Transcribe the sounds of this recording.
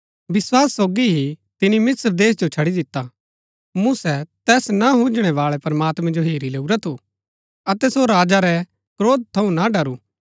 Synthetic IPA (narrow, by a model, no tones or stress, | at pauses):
bɪswaːsːoːɡiɦit̪ɪnimɪsɾd̪eːs̬d͡ʒot͡ʃʰɐɽid̪ɪt̪ːa | mũsɛt̪ɛːsnaɦũd͡ʒɽ̃ɛʋaːɭɛpɐɾmaːt̪mɛ̃d͡ʒoɦeːɾileːuɾɛt̪ʰu | ɐt̪ɛsoɾaːd͡ʒaɾɛ | kɾoːd̪̚t̪ʰːɐũnaɖɐɾu